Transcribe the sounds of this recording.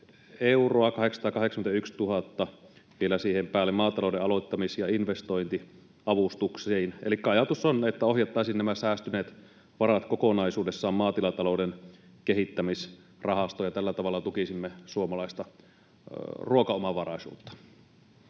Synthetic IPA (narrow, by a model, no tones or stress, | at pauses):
euroɑkɑheksɑt̪ɑːkɑhekskmnet̪æykst̪uhɑt̪ːɑʋielæsiːhempæːlːemmɑːt̪ɑloudeɑloit̪ːɑmisjɑinʋest̪oint̪i | ɑʋust̪uksiːnḛlikːæɑjɑt̪usːonet̪ːæohjɑt̪ːɑisinnæmæsæːst̪yneːt̪ | ʋɑrɑt̪kokonɑisuːdesːɑːmmɑːt̪ilɑt̪ɑlouden | kehit̪ːæmis | rʔɑhɑst̪ojɑt̪ælːæt̪ɑʋɑlːˑɑt̪ukisimːesuomɑlɑist̪ɑ | ruokɑomɑʋɑrɑisṵːt̪ːɑ̥